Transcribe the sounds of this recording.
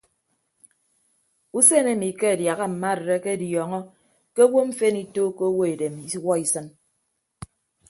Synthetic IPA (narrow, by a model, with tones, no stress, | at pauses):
u˦se˦˨ne˦˨mi˨˦ke˦a˨dja˨ɣa˦m̩˨ma˦˨ɾe˨ɾe˦ke˦djɔ˨ŋɔ˦ | ke˦o˦wo˦ɱ̩˦fe˦ni˦toː˦ke˦wo˦e˨de˨mi˦wɔ˦i˦sɨ˦n